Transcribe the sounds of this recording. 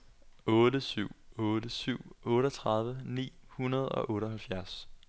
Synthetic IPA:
ɔ̽ːɾəsyʊ̰ɔːɾəsyʊ̰ɔ̽ːɾɐt͡sʰʁɑ̈ð̞ˠʋənḭːhunɐð̞̩ˠɒ̽ʔɔ̽ːɾɒɦælfjæɐs

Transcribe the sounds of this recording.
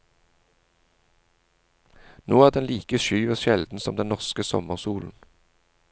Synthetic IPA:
noːæːʁd̪ɛnliːkəʃyːəʃɛld̪n̩sɔmd̪ɛnɔʁskəsɔ̰məʁsuːln̩

